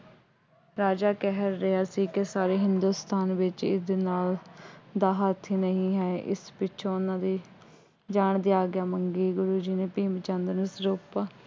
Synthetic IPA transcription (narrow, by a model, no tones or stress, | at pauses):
ɾaːd͡ʒaːkɛɦəɾːɪaːsiːkɪsaːɾeːɦɪnd̪uːst̪aːnʋɪt͡ʃɪ̰d̪eːnaːld̪aːɦaːt̪ʰiːnəɦĩːɦɛːʔɪ̰spɪt͡ʃʰõːʊnãːd̪iː | d͡ʒaːɳd̪iːaːɡɪjaːməŋɡiːɡʊɾuːd͡ʒiːneːpiːmt͡ʃə̃nd̪ɾnəsɾoːpaː